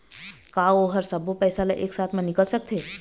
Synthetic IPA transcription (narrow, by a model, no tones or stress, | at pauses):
kaːoɦɐɾsəbopɛːsalaʔḛːksaːt̪ʰmẽnɪkəlsək̚t̪ʰeː